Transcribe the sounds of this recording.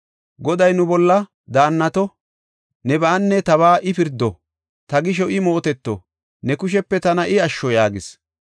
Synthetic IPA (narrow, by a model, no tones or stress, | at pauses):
ɡɔd̪ɐjnʊbɔlːɐ | d̪aːnːɐt̪ɔ | nɛbaːnːɛt̪ɐβaːʔɪpɪɾd̪ːɔ | t̪ɐɡɪʃ̬ɔɪmo̞ːt̪ɛt̪ːɔ̰ | nɛkʊʃ̬ɛpːɛt̪ɐnɐʔɪɐʃːɔjaːɡɪs